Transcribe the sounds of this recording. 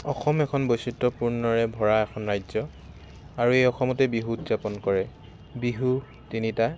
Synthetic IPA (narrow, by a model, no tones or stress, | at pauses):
ɔxɔmɛkʰɔnbojsitːɔpuɹnɔɹɛbʱɔɹaɛkʰɔnɹajzɔ | aɹuejɔxɔmɔtɛbiɦutzapɔnkɔɹɛ | biɦu | tinita